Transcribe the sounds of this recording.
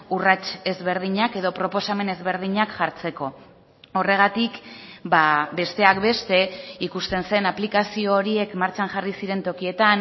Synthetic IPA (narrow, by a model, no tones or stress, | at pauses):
urat͡ʃe̞zβe̞ɾðiɲake̞ð̞o̞pɾo̞po̞same̞ne̞zβe̞ɾð̞iɲakʝaɾt͡se̞ko̞ | o̞re̞ɣ̞at̪ikbabe̞st̪e̞akbe̞st̪e̞ikust̪e̞nse̞naplikasio̞ːɾie̞kmaɾt͡ʃaŋʝarisiɾe̞nt̪o̞kie̞t̪an